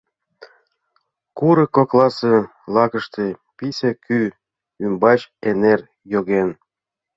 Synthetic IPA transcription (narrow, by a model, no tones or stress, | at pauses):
kuɾɤ̆koklˠɑsɤ | lˠɑɣə̆ʃt̪episʲeky | ymbɑt͡ɕener | joɣen